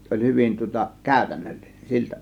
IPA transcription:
se olʲ hyʋin tŭŏtɑ kæˑøˑtænːølːi̥n̥e̥n̥ siltæ̥

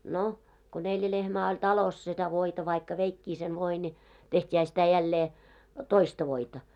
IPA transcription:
no ko neljæ lehmæː olʲ tɑlos setæ ʋoitɑ ʋɑikːɑ ʋeikːiː sen ʋoi ni tehtʲiːhæ sitæ jælːeː toistɑ ʋoitɑ

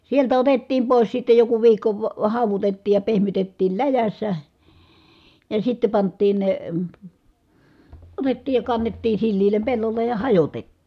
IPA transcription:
sieltæ otetːiːm poˑis sitːe joku ʋiːkːo ʋɑ hɑˑuʋutetːiːj jɑ pehmytetːiːl læjæsːæ jɑ sitːe pɑntˑiːn ne otetːiːj jɑ kɑnːetːiː silːiːlem pelːolːej jɑ hɑjotetːiː

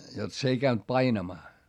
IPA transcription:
jot s ei kæynt pɑinɑmɑː

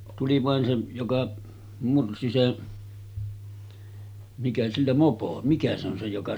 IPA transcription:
tuli ʋɑˑen se jokɑ mursi se mikæ silːæ mopo mikæ se on se jokɑ

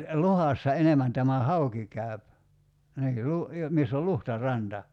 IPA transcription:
luhɑsːɑ enemæn tæmæ hɑuki kæy̞p niː lu jo misː ol luhtɑrɑntɑ

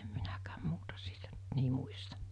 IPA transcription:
em minækæːm muːtɑ siːtæ nt ni muistɑ̥

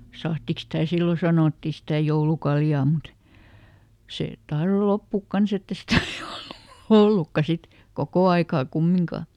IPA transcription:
sɑhtiks sitæˑ silːo sɑnoˑtːi sitæˑ joulukɑljɑː mut seˑ tɑhro lopːuˑk kɑns etː e sitæ ni olːu̥ h̆olːukːɑ sit kokoˑ ɑikɑː kumːiŋkɑˑ

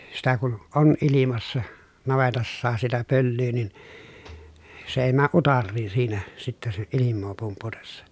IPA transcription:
sitæ kun ʔon ʔilimɑsːɑ nɑʋetɑsːɑːs sitæ pølːyː nin se eˑi mæːʔ ʔutɑrːiːn̞ siːnæ sitːɛ se ilimːoː pumputesːɑ

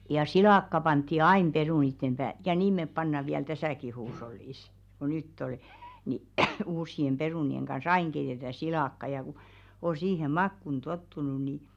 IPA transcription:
jɑ silɑˑkːɑ pɑntːi ɑin peruˑnitːem b̥æː jɑ niːm mep pɑnːɑ ʋiæl tæsæˑki huːsh̞olːiˑs ko nytː ol ni uːʃsiem b̥eruˑnieŋ kɑn̞s ɑiŋ keitetæ silɑkːɑ jɑ ku o siːhem̆ mɑkːun totːunu ni

